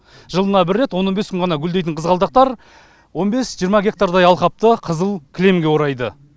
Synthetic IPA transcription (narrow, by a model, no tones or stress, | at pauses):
ʒəlˠənɑbɪɾːe̞t̪wo̞nːo̞nbeskʲʏŋʁɑnɑɡʲʏld̪e̞jt̪ɪɴqʰəzʁɑlˠd̪ɑq̚t̪ɑɾ | wo̞nbe̞sʒijəɾmɑɡʲe̞k̚t̪aɾd̪ɑjɑlˠqɑp̚t̪əqʰəzəlˠkʲʰɪle̞mɡʲe̞woɾɑjd̪ə